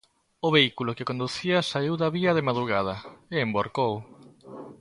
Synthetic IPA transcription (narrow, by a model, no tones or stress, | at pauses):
ʊβeikulokɪkõnd̪uθiɐsaiwðɐβiɐð̞emaðɾuɣ̞að̞ɐeemboɾkow